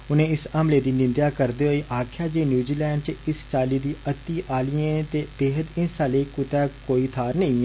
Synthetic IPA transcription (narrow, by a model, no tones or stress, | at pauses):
ʊnẽːɪsəmleːd̪iːnɪ̃nd̪jaːkəɾd̪eːɦoːeːʔaːkʰjaːd͡ʒeːnjuːziːlɛːɳɖt͡ʃɪst͡ʃaːliːd̪iːʔət̪ːiːʔaːlijẽːt̪eːbeːɦəd̪ɪnsaːleːkʊt̪ɛːkoːiːt̪ʰaːɾnə̃ĩː